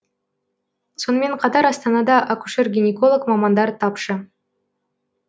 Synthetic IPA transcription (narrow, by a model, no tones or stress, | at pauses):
sonəme̞nqʰɑt̪ɑɾɑst̪ɑnɑd̪ɑʔakuʃeɾɡʲinʲekolˠəkmɑmɑnd̪ɑɾt̪ʰɑpʃə